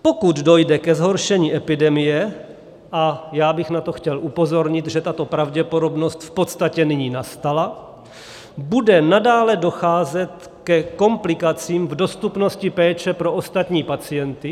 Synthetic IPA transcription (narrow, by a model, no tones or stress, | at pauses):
po̞kud̪do̞jdɛkɛzɦo̞ɾʃɛɲiːʔɛpɪdɛmɪjɛ | ʔajaːbɪxnat̪o̞xcɛlʔupo̞zo̞ɾɲɪt̪ʒɛt̪at̪o̞pɾavɟɛpo̞do̞bno̞st̪fpo̞t̪st̪acɛnɪɲiːnast̪ala | budɛnadaːlɛdo̞xaːzɛt̪ | kɛko̞mplɪkat͡siːmvdo̞st̪upno̞scɪpɛːt͡ʃɛpɾo̞ʔost̪at̪ɲiːpat͡sɪjɛnt̪ɪ